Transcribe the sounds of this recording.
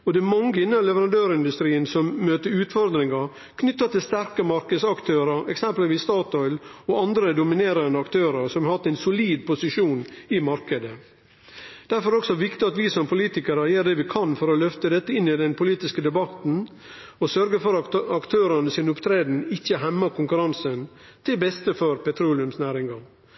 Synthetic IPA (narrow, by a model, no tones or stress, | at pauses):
ɔd̪ɛmɑŋəɪnːəlɛʋəɾɑnd̪øːɾɪnd̪ʉst̪ɾiːənsɔmːøːt̪əɾʉːt̪fɔɾd̪ɾɪŋɑ | kʰnʏt̪ːəɑt̪ʰɪlst̪æɾkəmɑɾkəd̪sɑkt̪ʰøːɾəɾɛ̰ksɛmpəlʋiːst̪ɑːt̪ɔʏlɔɑnd̪ɾəd̪ʊmɪneːɾənd̪əɑkt̪ʰøːɾəɾsɔmɑhɑt̪ːɛɪnsʊliːd̪pʊsɪʂuːnɪmɑɾkəd̪ə | d̪̥æɾfɔɾɔksɔʋɪkt̪ɪɑt̪ʋɪsɔmpʰʊliːt̪ɪkəɾəjeːɾɖ̪ɛʋɪkʰɑnfɔɾɔlœft̪əd̪ɛt̪ːəɪnːɪd̪ɛnpʰʊliːt̪ɪskəd̪ɛbɑt̪n̩ | ɔsœɾɡəfɔɾɑɑkt̪ʰøːɾənəsɪnʊpt̪ʰɾeːd̪n̩ɪçːəɦɛmːɑkʰʊŋkʉɾɑnsənt̪ʰɪlbɛst̪əfɔɾpɛt̪ʰɾuːlɪʉmsnæːɾɪŋɡɑ